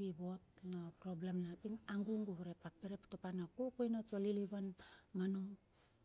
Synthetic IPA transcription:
βibo̞tnapɾo̞blemnapiŋaŋɡuŋɡuβɾepapeɾeptopanakokojnatoliliβanmanuŋ

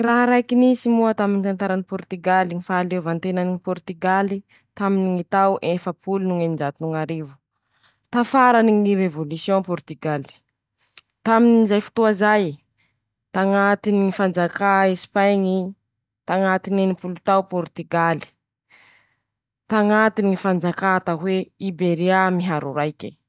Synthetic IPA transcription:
raɦɾajkinisimuat̪aminit̪ant̪aɾanipɔɾt̪yɡaliŋifaalevant̪enaniŋipɔɾt̪iɡali | t̪aminiŋit̪awʔefəpʰulunuŋenind͡ʒat̪unuŋaɾivu̥ | t̪afaɾaniŋiɾevolusjõpɔɾt̪yɡali̥ | t̪aminizajfu̥t̪uazaj | t̪aŋat̪iniŋifand͡zakaesi̥pajŋi | t̪aŋat̪ininipulut̪awpɔɾt̪yɡali̥ | t̪aŋat̪inifand͡zakat̪aɦweibeɾiamiɦaɾṵɾajkʲḭ

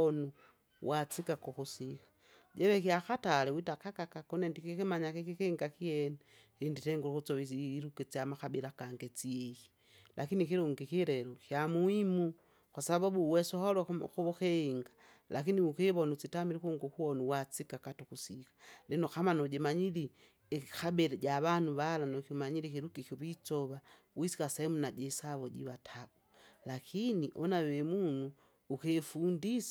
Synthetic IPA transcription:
ɔnu | wʔat͡sikakɔkusikḁ | ɟɛβɛkiaxatalɛwitakakakakɔnɛndikikimaɲakikikiŋɡakiɛnɛ | ɾinditɛŋɡuukut͡sɔβiɾukɛt͡siamaxabilakaŋɡɛt͡siɛki̥ | lʔakinikiɾuŋɡikiɾɛɾɔkjamuimu | kwasababuwɛsɔhɔlɔkuβukɛiŋɡa | lakiniukeβɔnut͡sitamiɾikuŋɡɔkuɔnuwat͡sikakatukusikḁlinɔkamanɔɟimaɲili | kabɛɾɛɟaβanuβalanɔkimaɲilikiɾukikɔβit͡sɔβa | wisi̥kasɛɛmunaɟɛsaβɔɟḭβatʰaɡulakʰiniʔɔnawɛmunuː | kefundis

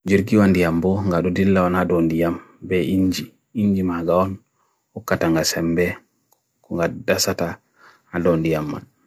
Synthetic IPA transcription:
d͡ʒiɾɡiwandijambɔŋɡaɗudilːaɔnadɔndijambɛʔiɲd͡ʒi | iɲd͡ʒimaɡaɔn | wɔkːataŋɡasɛmbɛ | kɔŋɡadasata | adɔndijamːa̰n

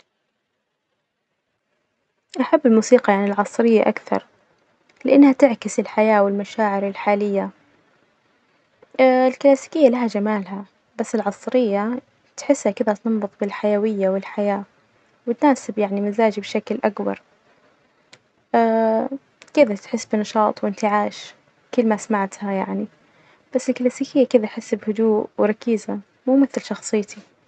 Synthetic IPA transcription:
ʔaħabːɪlmuːsiːqɑʕʕanɪlʕɑsˤɾɪjːaʔakθɑ̰ɾˤ | lɪʔanːhat̪ɪʕkɪsɪlħajaːwɪlmaʃaːʕɪɾɪlħaːlɪjːa | ɪlklaːsi̥kɪjːalaɦad͡ʒamaːlha | basːɪlʕɑsˤɾɪjːa | t̪ħɪsːhakɪðat̪ɑmbʊt̪ˤbɪlħajawɪjːawɪlħajaː | wɪt̪naːsɪbjaʕnimazaːd͡ʒibʃaklʔakbɑ̰ɾˤ | ʔa | kɪðat̪ħɪsːbɪnɑʃɑːt̪ˤwɪnt̪ɪʕaːʃ | kʊlːmasmaʕt̪hajaʕni | b̥asːɪlkalaːsiːkɪjːakɪðatħɪsːbhʊd̪uːʔwɾˤɑkiːza | muːmɪθlʃɑxsˤɨjːt̪i

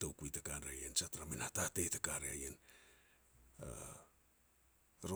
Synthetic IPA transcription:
towkujtakaɾeajent͡ʃataɾamenhatatetakaɾea̰jen | a̰ | ɾo

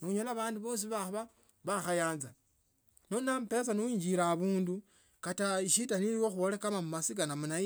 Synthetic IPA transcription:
niuɲolaβaːnduβo̞ːs̬iβaβa | βaxajaːnza | no̞nampe̞saniwiːɲd͡ʒiɾaβuːndu | kataiʃitaniliwoxuβolekamamumasikanamunai

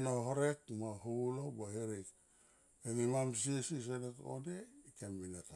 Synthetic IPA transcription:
noɦoɾekmaɦulobaheɾik | eŋimamsiesis̬eneto̰neikembinata

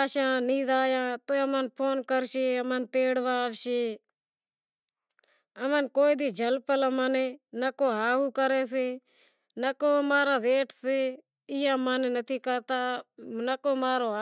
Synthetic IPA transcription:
aːʃãːniːd̪aːjãːt̪oːəmənpʰoːnkəɾʃeːəmənt̪eːɽʋaːʋʃeː | əmənkoːiːd̪iːd͡ʒʱəlpələmaːneːnakoːɦaːɦuːkəɾeːs̬eː | nəkoːəmaːɾãːd̪eːʈʰseː | ɪjãːmaːneːnət̪ʰiːkəɾt̪aːnəkoːmaːɾoː

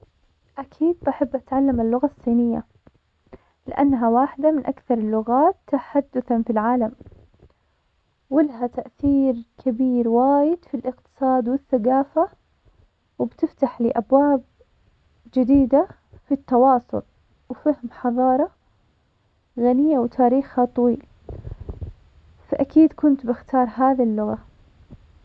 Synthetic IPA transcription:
ʔakʰiːd̪̚ʔaħabːʔat̪ʕalːamalːʊɣasˤːiːnɪjːa̰ | lɪ̰ʔa̰nːɦawaːħɪd̪amɪnʔakθɑɾˤɪlːʊɣaːt̪ːaħad̪ːʊθanfilʕaːlam | wɪlɦat̪aʔθiːɾkʰabiːɾwaːjɪd̪filʔɪqt̪ɨ̥sˤɑːd̪wɪθːaɡaːfa | wɪbt̪ɪft̪aħlḭːʔabwaːb̚ | d͡ʒɪd̪iːd̪a | fit̪ːɑwɑːsˤʊ̰l | wfahmħɑðˤɑːɾˤɑ | ɣanɪjːawt̪ʰaːɾiːxhat̪ˤɑwiːl | faʔakiːd̪kʊnt̪bɪxt̪ɑːɾˤɦaːðilːʊɣa

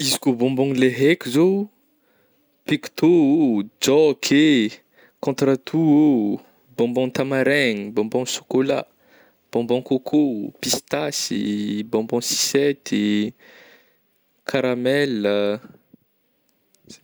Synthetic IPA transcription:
izikobɔ̃mbɔ̃ŋleɦekʲizo | pikt̪ood͡ʒɔkʰe | kɔ̃t̪rat̪ʰuo | bɔ̃mbɔ̃ŋt̪amaɾɛɲibɔ̃mbɔ̃ŋʃo̥kola̰ | b̥ɔ̃mbɔ̃kokʰopist̪asḭbɔ̃bɔ̃si̥sɛt̪i | kʰaɾamɛlə

